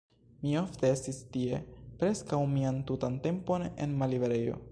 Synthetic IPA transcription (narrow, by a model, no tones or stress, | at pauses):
mio̞fte̞e̞stistie̞pɾe̞skawmiantutante̞mpo̞ne̞̰nmaliveɾe̞jo̞̰